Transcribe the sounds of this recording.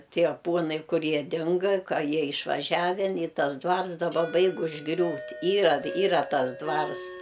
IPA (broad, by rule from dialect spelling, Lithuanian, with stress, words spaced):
ˈtʲiɛ ˈpuɔnɐɪ ˈkʊr ˈjiɛ ˈdʲɪŋɡɐ ˈkɐ ˈjiɛ ɪʃʋɐˈʒʲæːʋʲɛn ɪ ˈtɐs ˈdʋɐrs dɐˈbɐ ˈbɐɪk ʊʒˈɡrʲuːtʲ ˈiːrɐ ˈiːrɐ ˈtɐs ˈdʋɐrs